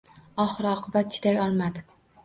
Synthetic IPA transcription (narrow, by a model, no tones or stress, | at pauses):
ɒχɨɾɒqʰɨbat̪̚t͡ʃʰɪ̥d̪ajɒlˠmad̪ɪ